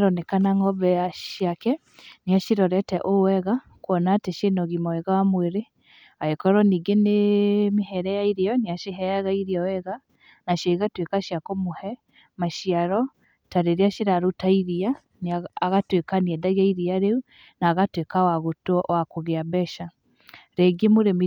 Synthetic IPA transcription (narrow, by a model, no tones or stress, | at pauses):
ɾɔnɛkanaŋɡɔbɛaʃiakɛ | niaʃiɾɔɾɛtɛʔowɛɣa | kwɔnateʃenɔɣimɔɛɣawamweɾe | aekɔɾɔniɡenemiɦɛɾɛjaiɾeɔneaʃeɦɛjaɣaiɾiɔwɛɣa | naʃaiɣatwekaʃjakomohɛ | maʃiaɾɔ | taɾeɾeaʃeɾaɾotaiɾia | nːɣatwekaniɛdaɣaiɾiaɾeu | naːɣatwekawaɣotɔwakoɣeabɛʃa | ɾɛɡemoɾemi